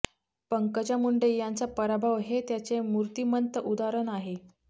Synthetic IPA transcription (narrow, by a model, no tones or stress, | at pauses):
pəŋkət͡ɕjamuɳɖejant͡sapəɾabʱaʋɦet̪jat͡semuɾt̪imənt̪əʔud̪aɾəɳaɦe